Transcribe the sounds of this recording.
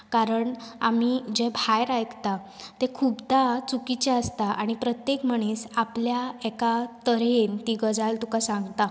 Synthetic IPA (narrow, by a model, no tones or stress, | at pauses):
kaɾəɳa̰m̤id͡ʑebʱajɾajkt̪at̪ẽkʰuːpd̪at͡sukit͡ɕaəst̪aʔaɽ̃ipɾət̪jekm̤əɳ̃esapljaekat̪əɾent̪iɡəd͡zalt̪ukasaŋɡt̪a